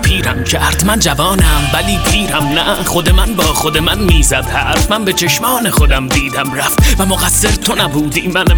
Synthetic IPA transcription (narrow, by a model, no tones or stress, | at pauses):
pʰiːɾæmcʰæɾd̪̥mænd͡ʒævɒːnæmvæliːpʰiːɾæmnæxo̞d̪emænbɒːxod̪e̞mænmiːzæd̪hæsd̪mænbe̞t͡ʃʰe̞ʃmɒːnexo̞d̪æmd̪iːd̪æmɾæft̪væmoɣæsːeɾt̪ʰo̞næbuːd̪iːmæn